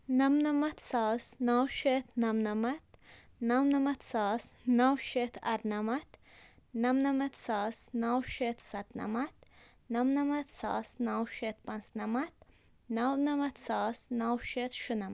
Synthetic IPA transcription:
nɐmnɐmɐt̪ʰsaːsnawʃet̪ʰnɐmnɐmɐt̪ | nɐwnɐmɐt̪saːsnɐwʃet̪ʰɐ̰ɾnɐmɐt̪ | nɐmnɐmɐt̪saːsnawʃet̪ʰsɐt̪nɐmɐt̪ | nɐmnɐmɐt̪sa̰ːsnawʃet̪pɐnsnɐmɐt̪ | nɐwnɐmɐt̪saːsnawʃet̪ʃunɐmɐ

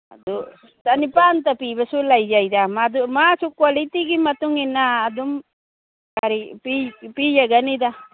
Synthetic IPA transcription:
a̰d̪u | t̪anipant̪apibəsulaid͡ʒaid̪amad̪umasukwalit̪iɡimɐt̪uŋinaːd̪um | kaɾipipijaɡanid̪a

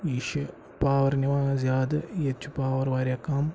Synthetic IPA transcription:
iːʃɐ | paːʋɐɾniʋãːzjaːd̪ɐjɐt͡ʃʰːupaːʋɐɾʋaːɾʲjaːkaːm

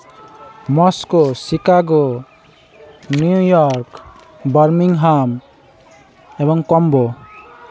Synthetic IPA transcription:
mɔskɔsikaɡɔ | nuujɔɾk | bʌɾmiŋɦam | ɛbɔŋkɔmbɔ

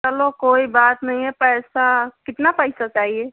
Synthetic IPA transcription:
t͡ʃəlokoibat̪nəiɛpɛsakɪt̪napəɪsat͡ʃaɦie

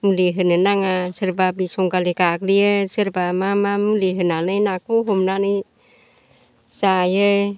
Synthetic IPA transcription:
muliɦənənaŋasərpabisuŋkalikakliəsərpamamamuliɦənanənakuɦomnani | sajə

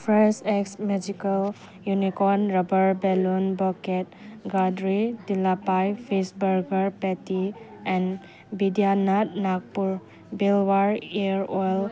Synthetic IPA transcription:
pʰɾaseksmɛd͡ʒikəl | junikɔnɾɔbəɾbɛlunbɔket̚ɡadɾidilapajfʰisbəɾɡəɾpɛtiɛ̃n | bidianat̚nak̚puɾ | bilwaɾiɾɔjl

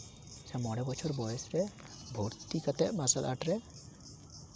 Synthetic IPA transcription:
samɔɽɛbɔt͡ʃʰɔɾbɔjesɾɛ | bʱoɾt̪ikat̪ɛʔmasalʔa̰ʈɾɛ

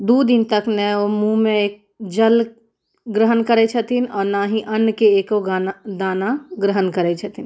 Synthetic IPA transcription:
d̪ud̪ɪnt̪əknɛomũmẽeːk̚ | d͡ʒəl | ɡɾəɦənkəɾet͡ʃʰət̪ʰinɔːɾnaːɦĩʔənːkeeːkoɡand̪aːnaɡɾəɦənkəɾet͡ʃʰət̪ʰin

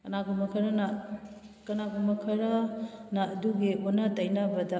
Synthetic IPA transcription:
kɐnaɡumɐkʰɐɾɐnɐ | kɐnaɡumɐkʰɐɾɐnɐːduɡionɐtɐjnɐbɐdɐ

